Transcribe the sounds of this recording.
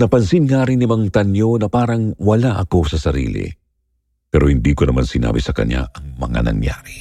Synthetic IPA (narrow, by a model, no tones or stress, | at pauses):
nɐpɐnsinŋaːɾɪnːɪmɐŋt̪ɐnjo̞nɐpaːɾɐŋwɐlaʔɐko̞sɐsɐɾḭːlɪ̰ | pɛːɾo̞hɪnd̪iːkonɐmansɪna̰ːbɪsɐkɐ̰ɲa̰ʔɐŋmɐ̰ŋa̰nɐ̰ŋja̰ːɾi